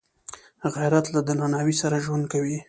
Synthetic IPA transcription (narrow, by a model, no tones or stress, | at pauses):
ɣajɾat̪lad̪ənanɑwisaɾaʒwand̪̚kawi